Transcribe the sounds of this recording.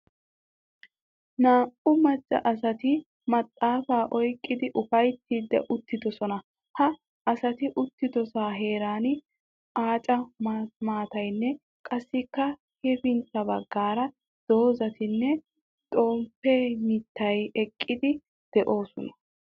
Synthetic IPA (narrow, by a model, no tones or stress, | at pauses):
naːʔʊmɐt͡ʃʼːɐ̰ʔɐsɐt̪ɪ | mɐt̪ʼːaːfaːʔɔjkʼːɪd̪ɪʔʊfɐjt̪ːiːd̪ːɛ̰ʔʊt̪ːɪd̪ɔsɔnɐ | hɐ | ɐsɐt̪ɪʔʊt̪ːɪd̪ɔsaːɦe̞ːɾaːn | aːt͡ʃʼɐmmaːt̪ɐjnːɛ | kʼɐsːɪkːɐ | hɛfɪnt̪ːɐbɐɡːaːɾɐ | d̪̥o̞ːzɐt̪ɪnːɛ | t̪ʼo̞ːmpːɛmɪt̪ːɐjɛkʼːɪd̪ɪ | d̪̥ɛʔo̞ːsɔ̰nɐ̥